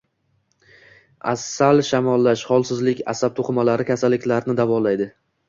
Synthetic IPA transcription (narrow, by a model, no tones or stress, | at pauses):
a̰sːalʃamɒlˠːaʃhɒlˠsɪzlɪkʲa̰sab̚t̪ʰoqʰɨmalaɾɪkʲʰasalːɪkʲlaɾnɪd̪avɒlajd̪ɪ